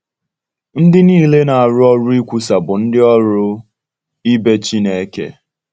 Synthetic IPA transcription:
n̩˦dɪ˦niː˦˨le˦na˨a˨ɾʊ˦ɔ˦ɾʊ˦i˦kʷu˦sa˨bʊ˨n̩˦dɪ˦ɔ˦ɾʊ˦ | i˦be˦t͡ʃi˦ne˨e˦kḛ˦

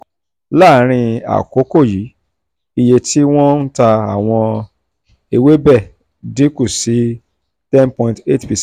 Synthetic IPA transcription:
la˦˨˦ɾ̃ĩ˧a̰˨ko˨˦ko˦˨ji˨˦ | i˧je˧tʰi˦w̃ɔ̃˦n̩˦ta˧a˨w̃ɔ̃˧ | e˧we˦bɛ˦˨ | dĩ˨˦ku˦˨si˨˦ | tɛ̃˦npɔ̃˧ĩnte˦˨tpi˧

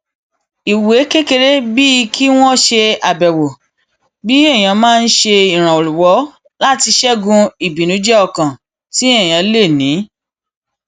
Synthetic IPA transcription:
i˨we˨˦kẽ˦ke˧ɾe˦bi˦i˧kʰi˦w̃ɔ̃˦ʃe˧a˨bɛ˨wo˨ | bi˦ɛ˦˨j̃ã˨˧mãː˦˧n̩˦ʃe˧i˨ɾ̃ã˨o˨lu˨wɔ˨˦ | la˦ti˧ʃɛ˦ɡũ˦i˨bi˨nũ˨˦d͡ʒɛ˦ɔ˧˨kã˨ | ti˦ɛ˦˨j̃ã˨˧˦le˦˨nĩ˨˦

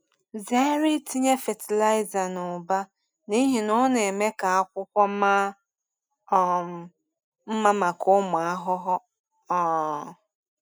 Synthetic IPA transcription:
ze˦ɾi˦ti˦ɲe˦fe˨ti˨la˦ɪ˦za˨nʊ˨ba˦ | ni˦ɦi˨nɔ˦ne˨me˦ka˨a˦kʷʊ˦kʷɔ˦ma˦˨ | m̩˦ma˦ma˨kʊ˦mʊ˨a˦ɦʊ˦ɦʊ˦ | ɔ˦˨

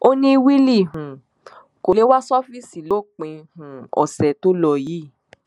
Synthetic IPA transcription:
o˦nĩ˦˧wi˦li˦˨ɦũ˨ | ko˧le˨˦wa˦sɔ˦fi˦˨si˨lo˦˨k͡pẽ˧hũ˨ɔ̰˨sɛ˨to˦lɔ˧ji˦˨

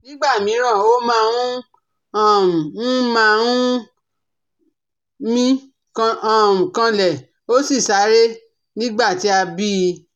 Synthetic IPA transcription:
nĩ˦ɡ͡ba˦˨mĩ˨˦ɾ̃ã˦˨o˦mã˦˧ɾũ˦ | a˦˨m˨ũ˦mã˦˧ũ˦ | mĩ˦ | kmũ˨kã˧lɛ˨ | o˦si˦˨sa˨˦ɾe˦ | nĩ˦ɡ͡ba˦˨ti˨˦a˧bi˦˧

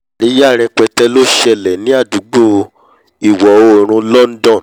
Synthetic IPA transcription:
i˦ja˦˨ɾ̃ɛ̃˧k͡pɛ˧tɛ˦lo˦ʃɛ˧lɛ˨nĩ˨˦a˦˨du˨˦ɡ͡bo˦˨ | i˨wɔ˨o˧˦˨ɾ̃ũ˧˦lɔ˦n̩˦dɔ̃˦˨

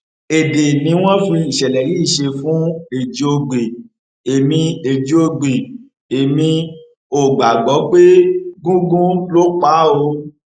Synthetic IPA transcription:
e˨de˨nĩ˨˦w̃ɔ̃˦fi˧i˨ʃɛ˨lɛ˨ɾi˨˦˨ʃe˧fũ˦e˨d͡ʒi˨˦o˧ɡ͡be˨ | e˨mĩ˧e˨d͡ʒi˨˦o˧ɡ͡be˨ | e˨mĩ˧ | o˨ɡ͡ba˨ɡ͡bɔ˨˦k͡pe˦ɡũ˦ɡũ˦lo˦k͡pa˦o˧

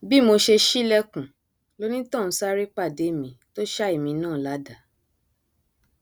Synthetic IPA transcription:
bi˦mo˧ʃe˧ʃi˦lɛ˦kũ˨ | lo˦nĩ˦tɔ̃˦˨n̩˨˦sa˦ɾi˦k͡pa˦˨de˨˦˨mĩ˧˦to˦ʃa˦i˦˨mĩ˧nãː˦˨la˨˦da˨

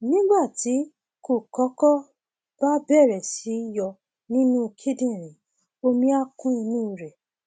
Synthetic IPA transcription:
nĩ˦ɡ͡ba˦˨ti˨˦ | ko˦˨kɔ˨˦kɔ˦ | b̥a˦bɛ˦˨ɾɛ˨si˨˦jɔ˧˨ | nĩ˦nũ˦kʰe˦dĩ˦˨ɾ̃ĩ˨ | o˧mĩ˦a˦kũ˦ĩ˧nũ˦˨ɾɛ˨

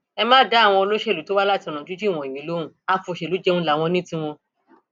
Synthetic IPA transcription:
ɛ˧mãː˦da˦˨w̃ɔ̃˧o˧lo˦ʃɛ˦˨u˨˦to˦wa˦la˦ti˧ɔ̃˧˨ɔ̃˨˦d͡ʒu˦d͡ʒi˦˨w̃ɔ̃˨i˨mĩ˨˦lo˨˦ũ˦a˦fo˧ʃe˨u˨˦d͡ʒɛ˦ũ˧la˨˦˨w̃ɔ̃˧nĩ˦tĩ˦w̃ɔ̃˧

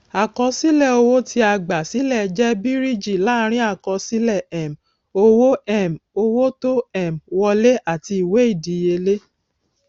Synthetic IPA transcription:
a˨kɔ̃˧si˦lɛ˦˨o˧wo˦ti˧a˧ɡ͡ba˨si˨˦lɛ˦˨˧d͡ʒɛ˦bi˦ɾi˦d͡ʒi˦˨la˦˧ɾ̃ĩ˦a˦˨kɔ˧si˦lɛ˦˨ɛ˨m | o˧wo˦ɛ˦˨mo˧wo˦to˦ɛ˦˨mwɔ˧le˦ʔa˦˨ti˧i˨we˨˦i˦˨di˨je˧le˦

